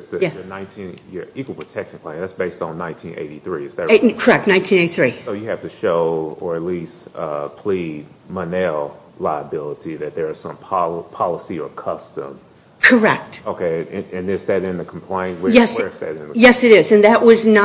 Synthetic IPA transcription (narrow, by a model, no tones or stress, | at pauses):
zðɨjæɨnãɪ̃ntʰĩnɪ̰ikwl̩ˠpʰətʰɛkʃn̩pʰl̥æ̃ɪ̃ŋðætsb̥eɪstn̩nːãɪ̃ntʰĩnʔḛɪɾiθɹiɨsðɨkʰə˞ɛk̚tⁿnãɪ̃ntʰĩneɪiθɹisoʊjɨhæftɨʃoʊə˞ɨtˡlistʌpʰl̥id̚ | mənɛlˠ | laɪəbɪlˠəɾiðɨt̪̚ðə˞ɨz̥sʌ̰̃mpʰɑpʰɑlˠəsiə˞kʰʌstə̰̃m | kʰə˞ɛk̚t̚oʊkʰeɪɨ̃nɨ̃nðɨsðɨɾɪ̃nðɨkʰm̩pʰl̥ẽɪ̃nwjjɛsɛ˞zðɨ̰ɾɪ̃n̩jɛsɨɾɪzɨ̃nðɨʔwʌznə